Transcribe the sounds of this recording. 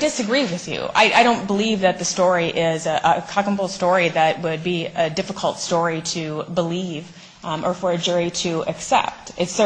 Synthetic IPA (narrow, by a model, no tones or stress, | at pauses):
dɨsɨɡɹiwɨðjʉ̰a̰ɪʔaɪɾõʊ̃nb̥əlivðɨt̪̚ðɨstɔɹiʔɪzʔəkʰɑkə̃n̩bl̩ˠstɔɹiðɨt̚wɨd̚biɨdɪfəkʰəl̩ˠtstɔɹiɾɨbəliv | ʔə˞fə˞ɨd͡ʒʊɹiɾɨʔɨksɛ̰p̚tɨtsə